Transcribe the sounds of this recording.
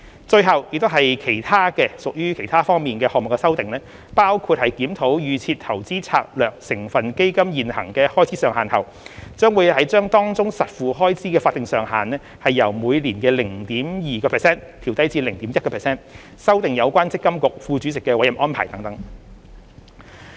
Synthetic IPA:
t͡ʃɵ˧ɥɦɐ˨wjɪ˨k̚t̪o˥wɦɐ˨jkʰe˨˩jt̪ʰaː˥kɛː˧sʊ˨k̚jyː˥kʰe˨˩jt̪ʰaː˥fɔː˥ŋmiː˨nkɛː˧hɔː˨k̚mʊ˨kːɛ˧sɐ˥wt̪ɪ˨ŋnɛː˥ | paː˥wkʰuː˧t̚hɐ˨jkiː˨˥mt̪ʰo˨˥wjyː˨˧t͡sʰiː˧t̚t̪ʰɐ˨˩wt͡siː˥t͡sʰaː˧k̚lœː˨˩k̚sɪ˨˩ŋfɐ˨nke˥jkɐ˥mjiː˨nhɐ̰˨˩ŋkɛː˧hɔː˥jt͡sʰiː˨˥sœː˨˩ŋha̰ː˨˩nhɐ̰˨˩w | t͡sœː˥ŋwu˨˧jhɐ˨˥jt͡ʃœː˥ŋt̪ɔː˥ŋt͡sʊ˥ŋsɐ˨t̚fuː˨ɦɔː˥jt͡siː˨˥kɛː˧faː˧t̪̚ɪ˨ŋsœː˨ŋɦaː˨˩nɛː˥ | hɐ˨jːɐ˨˩wmuː˨˧jliː˨˩nkɛː˧lɪ˨˩ŋt̪iː˨˥mjiː˨kɔː˧pʰɛː˨˩sɛː˥nt̪ʰiː˨˩wt̪ɐ˥jt͡siː˧lɪ˨˩ŋt̪iː˨˥mjɐ˥t̚kɔː˧pʰːsɛː˥n | sɐ˥wt̪ɪ˨ŋjɐ˨˧wkʷaː˥nt͡sɪ˥kːɐ˥mkʊ˨k̚fuː˧t͡syː˨˥t͡sɪ˨kːɛː˧wɐ˨˥jɐ˨˩mʔɔː˥npʰa̰ː˨˩jt̪ɐ˨˥ŋt̪ɐ˨˥ŋ

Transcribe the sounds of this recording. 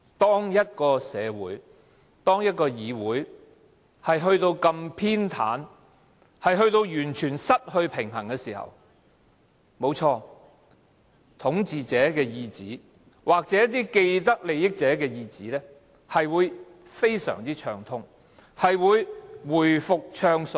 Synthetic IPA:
t̪ɔː˥ŋjɐ˥t̚kɔː˧sɛː˨˧wṵː˨˥j | t̪ɔː˥ŋjɐ˥t̚kɔː˧jiː˨˧wuː˨˥j | hɐ˨jɦɵ˧ɥt̪o˧wkɐ˧mpʰiː˥nt̪ʰa̰ː˨˥n | hɐ˨jɦɵ˧ɥt̪o˧wjyː˨˩nt͡ʃʰyː˨˩nsɐ˥t̚hɵ˧ɥpʰɪ˨˩ŋɦɐ˨˩ŋkɛː˧siː˨˩hɐ̰˨w | mo˨˧wt͡ʃʰɔː˧ | t̪ʰʊ˨˥ŋt͡siː˨t͡sɛː˨˥kɛː˧jiː˧t͡siː˨˥ | wʔaː˨k̚t͡sɛː˨˥jɐ˥t̪iː˥ke˧jt̪̬ɐ˥k̚le˨˧jɪ˥k̚t͡sɛː˨˥kɛː˧jiː˧t͡siː˨˥lɛː˥ | hɐ˨jwuː˨˧j | fe˥jsœ̰ː˨˩ŋt͡siː˥t͡ʃʰœː˧ŋt̪ʰʊ˥ŋ | hɐ˨jwuː˨˧jwuː˨˩jfʊ˨k̚t͡ʃʰœː˧ŋsɵ˨˩

